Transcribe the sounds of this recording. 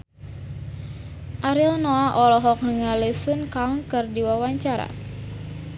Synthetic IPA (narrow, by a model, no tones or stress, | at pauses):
ʔaɾilnoaʔɔlɔɦɔk̚nəŋalesunkaŋkərdiwawaɲt͡ʃaɾa̰